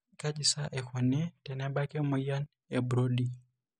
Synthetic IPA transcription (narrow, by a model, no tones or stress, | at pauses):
kad͡ʒisaʔɛkɔnɛtɛnɛbakɛmɔjan | ɛbɾodi